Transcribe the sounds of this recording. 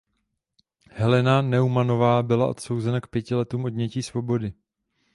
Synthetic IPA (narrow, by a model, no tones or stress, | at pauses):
hɛlɛnanɛumano̞vaːbɪla̰ʔo̞̰t̪so̞wzɛnakpjɛcɪlɛt̪uːmo̞dɲɛciːsvo̞bo̞dɪ